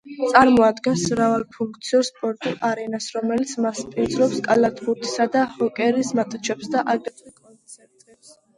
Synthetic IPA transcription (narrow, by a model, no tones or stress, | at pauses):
t̪sʼaɾmɔad̪ɡɛnsɾavalˠpʰuŋk̚ʰt̪sʰiɔɾspʼɔɾt̪ʼiʔaɾɛnasɾɔmɛlit̪sʰmaspʼiɾd̪zɾɔpskʼalat̪ʼχuɾt̪ʰi̥sad̪ahɔkʼɛɾismat̪ʼut͡ʃʰɛpsd̪aʔaɡʼikʼɔnsʰɛɾt̪ʼɛs